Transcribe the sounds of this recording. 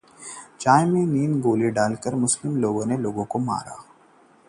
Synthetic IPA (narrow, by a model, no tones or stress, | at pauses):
t͡ʃaːemẽniːnɡoːliɖaːlkəɾmʊslɪmloːɡõːneloːɡõkoma̰ːɾa̰ː